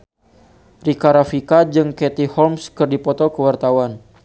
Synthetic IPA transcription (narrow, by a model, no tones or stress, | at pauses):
rikaɾafikad͡ʒɨŋkɛt̪ihɔlmskɨrdipɔt̪ɔkəwart̪awan